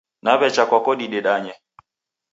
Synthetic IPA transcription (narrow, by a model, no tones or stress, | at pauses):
naβɛt͡ʃakwakɔɗiɗɛɗaɲɛ